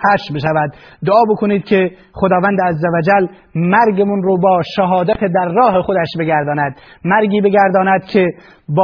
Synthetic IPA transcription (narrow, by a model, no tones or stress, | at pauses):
hæʃbeʃævæd̪ː | oɒːbekʰoniːd̪̚kʰe | χod̪ɒːvænd̪eæzːævæd͡ʒæl | mæɾɡemunɾoːbɒːʃæɦɒːd̪æt̪ʰed̪æɾːɒːɦexod̪æʃbe̞ɡæɾd̪ɒːnæd̪mæɾɡiːbeɡʲæɾd̪ɒːnæd̪kʰe | bː